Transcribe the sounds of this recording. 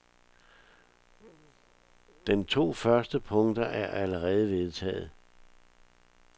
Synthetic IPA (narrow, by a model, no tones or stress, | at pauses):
d̥ent͡sʰo̝̰ːfɶɐsd̥əpʰɔ̽ŋd̥ɐʔæɐʔæləʁɛːð̞̩ˠəʋe̝ð̞ˠt͡sʰɛ̰ːð̞̩ˠ